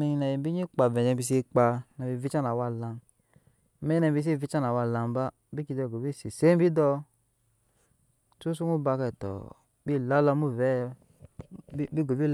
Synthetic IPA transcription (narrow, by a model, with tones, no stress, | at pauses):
mi˨ɲi˨na˨ji˨bi˦ɲi˦k͡pa˨vɛ˨ɲɛ˧˨bi˧s̬i˧˦k͡pa˧na˨bi˧˨vi˦t͡ʃa˦na˨wa˧la˧n˦ | mɛ˦ɲ˦nɛ˧˨bi˧˦s̬i˦˨vi˧˦t͡ʃa˦na˨wa˧˨la˨m˦ba˦ | bi˦ki˧dɔ˧˨ɡo˨bi˦˨si˨se˦m˦bi˦dɔ˧ | tu˦su˦ŋu˦ba˧kɛ˨tɔ̰˨ | bi˦˨la˦lɔ˧˦mu˦˨vɛ˨˦ | bi˦ɡo˨bi˦